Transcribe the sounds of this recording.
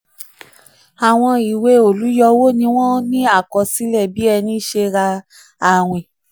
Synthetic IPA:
a˨w̃ɔ̃˧i˨we˨˦o˨lu˨˦jɔ˧wo˦nĩ˧w̃ɔ̃˦nĩ˦a˦˨kɔ˨˧si˨˦lɛ˦˨bi˨˦ɛ˧nĩ˦ʃe˧ɾa˧ | a˦˨w̃ĩ˨

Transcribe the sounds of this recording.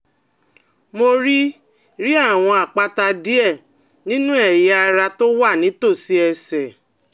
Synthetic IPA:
mo˧ɾi˦ | ɾi˦a˦˨w̃ɔ̃˧a˨k͡pa˧ta˧di˦ɛ˦˨ | nĩ˦nũ˦ɛ˦˨jɛ˦a˧ɾa˧to˦wa˦˨nĩ˨˦to˦˨si˦ɛ˧sɛ˨

